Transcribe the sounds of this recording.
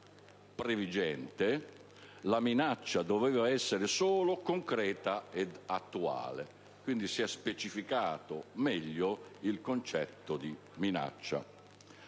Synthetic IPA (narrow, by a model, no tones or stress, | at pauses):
pɾevid͡ʒɛnt̪e | laminat͡ʃːad̪ovɛːvaɛsːeɾɪsoːlokoŋkɾɛːt̪aed̪at̪ːua̰ːle | kwind̪isiɛspet͡ʃifikaːt̪omɛʎːoilkont͡ʃɛt̪ːod̪i | mina̰t͡ʃːa̰